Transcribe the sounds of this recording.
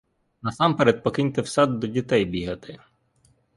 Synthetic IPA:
nɐsampɛɾɛt̪̚pɔkɪnʲt̪ewsɑd̪ːɔdʲit̪ɛjbʲiɦɐt̪ɪ

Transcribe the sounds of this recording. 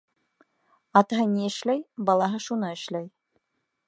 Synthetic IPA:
ɑt̪ɑɦɤniɘ̆ʃlæjbɑlˠɑɦɤʃunɤɘ̆ʃlæj

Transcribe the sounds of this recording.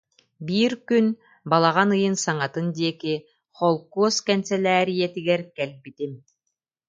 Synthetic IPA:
biːɾkyn | balˠaʁanɯjɯnsaŋat̪ɯnd̪ʲiɛki | χɔlˠkuɔskɛnsɛlʲæːɾijɛt̪iɡɛɾkɛlʲbit̪im

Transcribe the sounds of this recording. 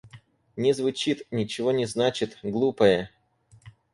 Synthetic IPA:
nʲɪzvʊt͡ɕit̪nʲɪt͡ɕɪvo̞nʲɪznat͡ɕɪt̪ɡlˠupəjə

